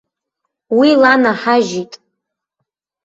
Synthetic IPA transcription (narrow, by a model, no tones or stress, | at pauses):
wilanaħaʒitʼ